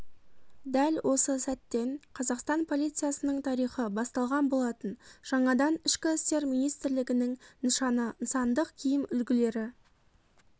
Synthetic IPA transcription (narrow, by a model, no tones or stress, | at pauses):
d̪ælwʔo̞səsæt̪ːe̞ɴqʰɑzɑqst̪ɑnpʰo̞lˠijt̪sɨjɑsənəɴt̪ʰɑɾijχəbɑst̪ɑlˠʁɑnbo̞lˠɑt̪ənʒ̥ɑɴɑd̪ɑnɪʃkʲɪɪst̪e̞ɾmijnijst̪ɪɾlɪɡʲɪnɪŋnəʃɑnənsɑnd̪əqkʲʰijɪmʏlɡʲɪle̞ɾɪ